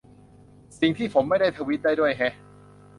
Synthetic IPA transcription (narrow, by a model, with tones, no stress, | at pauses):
si˨˩ŋt̪ʰiː˥˩pʰo˩˦mːa˥˩jda˥˩jt̪ʰaː˧wi˦˥t̪̚daː˥˩jdu˥˩əjkʰɛ˦˥